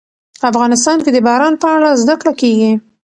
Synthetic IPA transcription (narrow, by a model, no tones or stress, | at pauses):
afɣɑnɪs̬t̪ɑnked̪əbɑɾɑnpəaɽazd̪akɽakeɡi